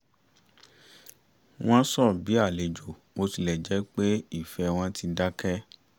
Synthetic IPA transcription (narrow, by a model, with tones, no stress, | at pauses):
w̃ɔ̃˦sɔ˦˨bi˨˦a˦˨le˨d͡ʒo˨ | mo˧ti˧˨lɛ˨d͡ʒɛ˨˦k͡pe˦i˦˨fɛ˧˦w̃ɔ̃˧ti˧da˦kɛ˦